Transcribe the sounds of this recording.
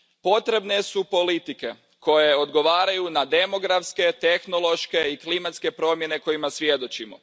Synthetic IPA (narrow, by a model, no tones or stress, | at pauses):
po̞t̪ɾe̞bne̞supo̞lit̪ike̞ | ko̞jeod̪ɡo̞ʋaːɾajunad̪e̞mo̞ɡɾafske̞t̪exno̞lˠo̞ʃke̞iklimat̪ske̞pɾo̞mjene̞ko̞jimasʋje̞d̪o̞t͡ɕimo̰